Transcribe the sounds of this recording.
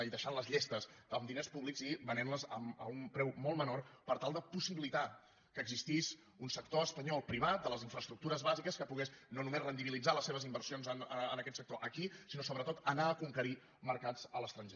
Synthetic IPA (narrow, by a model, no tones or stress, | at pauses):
iðəʃanləzʎest̪əzəmd̪inespuβlikziβənɛnləzə̰mə̰umpɾɛwmɔlˠmənorpəɾt̪alˠd̪əpusiβilit̪a | kəːɡzist̪iz | unsək̚t̪oəspəɲɔlˠpɾiβ̞at̪̚d̪ələziɱfɾəst̪ɾuk̚t̪uɾəzβazikəskəpuɣesnonumezrənd̪iβilid͡zaləsːeβəzimbərsionzənəə̰nəkɛt̪sək̚t̪oʔəkisinosoβɾət̪ot̪ənaəkuŋkəɾi | məɾkad͡zələst̪ɾənʒe